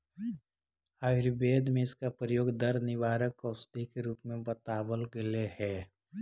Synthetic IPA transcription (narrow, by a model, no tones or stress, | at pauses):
aːɪɾbeːd̪mẽɪskapɾəjoːɡd̪əɾnɪʋaːɾəkɔsd̪ikɾuːpmẽbət̪aːbəlɡɪlehɛː